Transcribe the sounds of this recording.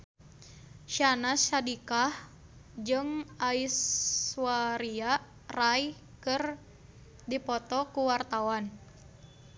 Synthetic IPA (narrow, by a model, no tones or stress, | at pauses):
ʃanasadikah | d͡ʒɨŋaiswaɾia | raj | kɨr | dipɔt̪ɔkuwart̪awan